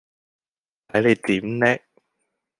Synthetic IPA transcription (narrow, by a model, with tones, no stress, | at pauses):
t̪ʰɐ˨˥jle˨˧jt̪iː˨˥mnɛ˦˥